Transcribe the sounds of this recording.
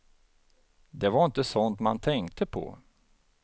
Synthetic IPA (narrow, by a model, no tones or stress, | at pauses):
d̪ɛvaɾɪnt̪əsɔnt̪ma̰nt̪ʰɛŋkt̪əpʰɔ̰